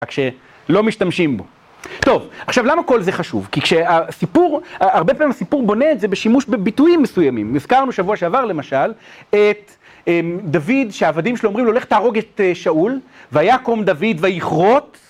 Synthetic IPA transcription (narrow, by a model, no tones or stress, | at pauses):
akʃe̞ | lo̞miʃtamʃimbo̞̰ | t̪o̞vaχʃavlamako̞lzeχaʃṵvkikʃeasipuʁaːʁbepamimasipuʁbo̞neːtzebeʃimuʃbebituimːesujamimiz̥kaʁnuʃavuaʃeavaʁle̞maʃalet | emd̪avid̪ʃeaːvad̪imʃelomʁimlole̞χtaːʁo̞ɡet̪eʃaul | veajako̞md̪avid̪vajiχʁo̞t